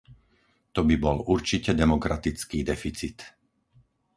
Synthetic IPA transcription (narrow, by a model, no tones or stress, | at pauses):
t̪ɔbibɔluɾt͡ʃicɛd̪ɛmɔkɾat̪it͡skiːd̪ɛfit͡sit̪